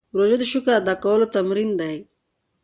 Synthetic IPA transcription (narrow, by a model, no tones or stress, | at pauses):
ɾoʒod̪iʃʊkaad̪akawəlot̪amɾind̪aj